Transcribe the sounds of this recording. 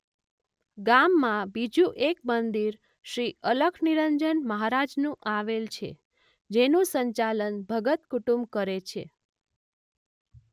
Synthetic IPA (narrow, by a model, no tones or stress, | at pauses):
ɡamːãbid͡ʒũʔek̚mənd̪iɾ | ʃɾiələɡʰʱniɾəɲd͡ʒənməɦaɾad͡ʒnũʔaʋelt͡ʃʰḛ | d͡ʒenũsəɲt͡ʃalənbʱəɡət̪kuʈũmbkəɾet͡ʃʰe